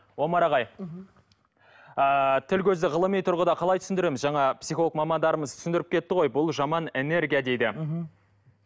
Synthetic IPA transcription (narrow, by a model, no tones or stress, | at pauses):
wo̞mɑɾɑʁɑj | ət̪ʰɪlkʲʰɵzd̪ɪʁəlˠəmijt̪ʰʊɾʁəd̪ɑqʰɑlˠɑjt̪ʰʏ̥snd̪ɪɾemɪzʒɑɴɑpsijχolˠəkmɑmɑnd̪ɑɾəməzt̪ʰʏ̥sɪnd̪ɪɾɪp̚kʲʰe̞t̪ːɪʁo̞jbʊlˠʒɑmɑnene̞ɾɡʲijɑd̪e̞jd̪ɪ